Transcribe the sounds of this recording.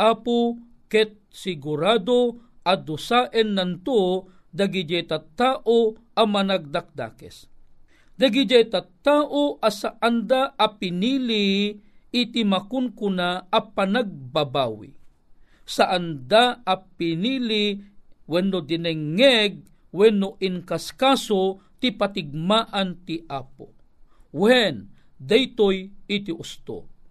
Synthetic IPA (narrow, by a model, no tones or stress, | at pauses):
ʔapu | kɛt̪̚sɪɡuɾad̪oʔad̪ʊsaʔɛnːant̪u | d̪aɡid͡ʒɛjt̪at̪aːʔoʔamanaɡ̚d̪ak̚d̪a̰ːkɛ̰s | d̪ɐɡid͡ʒɛjt̪at̪aːʔoʔasaʔand̪aʔapinili | it̪imakʊnkʊnaɐpanaɡ̚babaːwḭ | saʔand̪aapiniliwɛnːod̪inɛŋːɛɡ̚ | wɛnːoʔinkaskasot̪ipat̪ɪɡ̚maːʔant̪iʔaːpo̰ | wɛn | d̪ajt̪ojit̪iʔʊst̪o̰